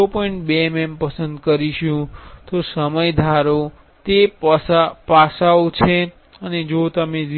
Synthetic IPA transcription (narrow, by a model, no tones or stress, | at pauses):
opɔĩɳʈbeemempəsənd̪kəɾiʃũt̪osəməjd̪ʱaɾo | t̪eapasaot͡ʃʰe | əned͡ʒot̪əmẽd͡ʒ